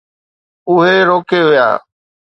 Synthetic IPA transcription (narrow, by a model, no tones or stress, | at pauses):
ʊɦeɾoːkeʋɪja̰ː